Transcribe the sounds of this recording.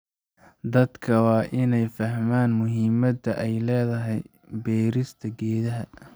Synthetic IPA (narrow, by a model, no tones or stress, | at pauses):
d̪ɐd̪kʰɐwɑːʔɪnɛjfɐɦmaːnmʊɦɪmɐd̪ɐʔɛjlɛːðɐɦɛj | bɛːɾɪst̪ʰɐɡɛːðɐɦɐ